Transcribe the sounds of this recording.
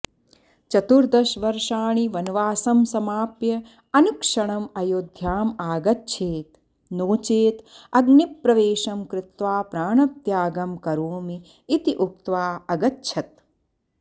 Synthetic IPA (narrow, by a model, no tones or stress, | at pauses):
t͡ʃɐt̪uɾd̪ɐʃʋɐɾʂaːɳ̃iʋɐnʋaːsɐmsɐmaːpjɐ | ɐnukʂɐɳ̃ɐmɐjoːd̪ʱjaːmaːɡɐtːʃʰeːt̪ | noːt͡ʃeːt̪ɐɡnipːɾɐʋeːʃɐmkɾɪt̪ʋaːpɾaːɳɐt̪jaːɡɐmkɐɾoːmiː | t̪iʔuk̚t̪ʋaːɐɡɐtːʃʰɐt̪̚